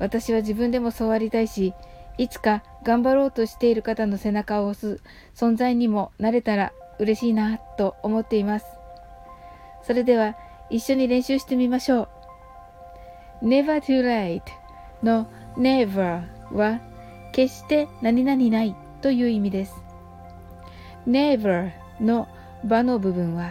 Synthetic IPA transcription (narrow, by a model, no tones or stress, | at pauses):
βat̪aɕiβaʑibɯ̟̃nd̪e̞mo̞so̞ːβaɾʲit̪aiɕiit͡sɨ̥ka | ɡãmbaɾo̞ːt̪o̞ɕi̥t̪e̞iɾɯ̟kat̪ano̞se̞nakaosɨ | sõ̞nd͡zaiɲ̟imo̞naɾe̞t̪aɾa | ɯ̟ɾe̞ɕiːnat̪o̞ːmo̞t̪ːe̞imasɨ̥ | so̞ɾe̞d̪e̞β̞a | iɕːo̞ɲ̟iɾẽɕɨːɕi̥t̪e̞mʲimaɕo̞ː | ne̞βat̪ɯɾait̪ | no̞ | ne̞ba | βa | ke̞ɕt̪e̞naɲ̟inaɲ̟inai | t̪o̞jɯ̟ːimʲid̪e̞sɨ̥ | neba | no̞ | bano̞bɯ̟bɯ̟̃ɰ̃βa